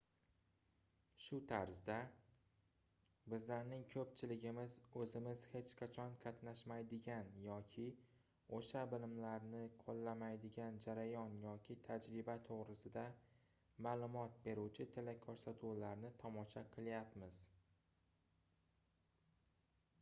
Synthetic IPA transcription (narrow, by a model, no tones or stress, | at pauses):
ʃʊt̪ʰaɾzd̪a | bɪzlaɾnɪŋkʲʰɵp̚t͡ʃʰɪlɪɡʲɪmɪzɵzɪmɪz̥he̞t͡ʃqʰɑt͡ʃʰɒnqʰɑt̪naʃmajd̪ɪɡʲanjɒkʲʰɪ | oʃabɪlɪmlaɾnɪqʰolˠːamajd̪ɪɡʲand͡ʒaɾajɒnjɒkʲʰɪt̪ʰad͡ʒɾɪbat̪ʰoʁɾɪsɪd̪a | maːlˠʊmɒt̪̚be̞ɾuwt͡ʃʰɪt̪ʰɪlakʲʰɒɾsat̪ʰulaɾnɪt̪ʰɒmɒʃaqʰɨlˠjapmɪz̥